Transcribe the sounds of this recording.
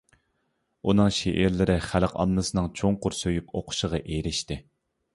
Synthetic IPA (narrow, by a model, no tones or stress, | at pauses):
unɨŋʃeʔːɾlɪɾɪχælqɑ̰nːɨsɨnɨŋt͡ʃʰoŋqʊɾsøjypʰoqʰʊ̥ʃəʁɑʔeɾɪʃt̪ɪ